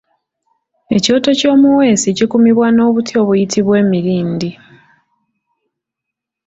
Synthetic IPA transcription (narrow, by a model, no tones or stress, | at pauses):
e̞co̞ːto̞co̞ːmuwe̞ːsicikumiβwano̞ːβutʰjo̞ːβujitʰiβwe̞ːmiɾiːndi